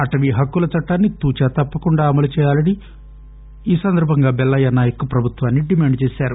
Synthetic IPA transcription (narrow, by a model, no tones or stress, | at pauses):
ɐʈɐʋiɦɐkːulɐt͡ʃɐʈːaːnːit̪uːt͡ʃaːt̪ɐpːɐkuɳɖaːɐmɐlut͡ʃɛːjaːlɐni | iːsɐnd̪ʱɐɾbʱɐŋɡaːbɛlːɐjanaːjɐkupɾɐbʱut̪ʋaːnːiɖimaːɳɖt͡ʃɛːsaːɾu